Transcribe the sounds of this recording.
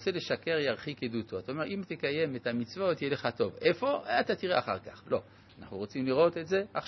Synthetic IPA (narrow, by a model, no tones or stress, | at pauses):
t͡se̞le̞ʃake̞ʁjaʁχikedut̪oat̪aome̞ʁʔimt̪ekaje̞met̪amit͡svo̞t̪jeleχat̪o̞vefo̞at̪at̪iʁeaχaʁkaχlo̞ | anaχnuʁo̞t͡simliʁo̞t̪e̞tze̞ʔa